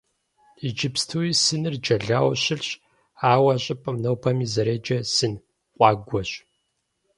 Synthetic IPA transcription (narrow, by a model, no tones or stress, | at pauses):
id͡ʒɪpstʰuisɨnɨrd͡ʒɐɮaːwɕɪɮɕ | aːwɐɕʼɪpʼəmnɐwpʰɐmiːzɐɾeːd͡ʒɐsɨn | qʷʼɑːɡʷɔɕ